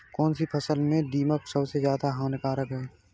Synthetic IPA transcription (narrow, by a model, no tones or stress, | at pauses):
kɔːnsipʰɐsəlmẽɖiːməksəbsezjaːd̪aɦãːnɪkaːɾɐɡɛeː